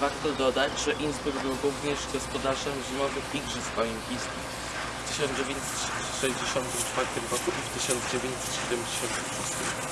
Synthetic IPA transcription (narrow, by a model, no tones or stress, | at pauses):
vaɾt̪ɔd̪ɔd̪ad͡ʑʐɛʔinzbuɡbɘwɾuvɲɛʐɡɔspɔd̪aʐɛmʑimɔvɘxiɡʐɘspɔimpʲist̪u | ft̪ɘɕɔnd͡ʑevʲjeɲt̪sɛt̪ | ʂɛʑd͡ʑeɕɔnt̪ɘmt͡ʂfaɾt̪ɘmɾɔkuʔift̪ɘɕɔnd̪zd͡ʑevʲjeɲt̪ʲsɛ̥t̪ɕɛd̪ɛmd͡ʑeɕɔnt̪ɘmust̪ɘm